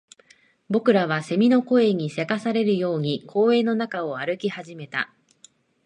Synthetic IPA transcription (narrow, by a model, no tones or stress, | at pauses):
bo̞kɯ̟ɾaβ̞ase̞mʲino̞ko̞e̞ɲ̟ise̞kasaɾe̞ɾɯ̟jo̞ːɲ̟ikʰo̞ːe̞ːno̞nakao̞aɾɯ̟kʲihaʑime̞t̪a̰